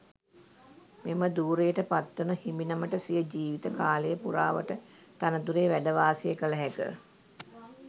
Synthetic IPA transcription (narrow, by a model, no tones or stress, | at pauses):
meməd̪uːɾejəʈəpat̪ːunəhiminəməʈəsijəd͡ʒiːʋit̪əkaːləjəpuɾaːʋə̰ʈə | t̪anəd̪uɾeːʋæɖəʋaːsijəkələɦækə̰